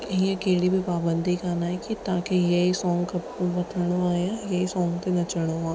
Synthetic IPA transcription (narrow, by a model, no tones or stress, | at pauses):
jɐɦĩɐkeːɽibʱipaːbə̃nd̪ʱikaːnaɦɛkit̪aːkejɐɦisɔːŋɡkɐb̚kũbɐt̪ʰəɽ̃oaːjãjɐɦisɔːŋɡt̪enɐt͡ʃəɽ̃oaː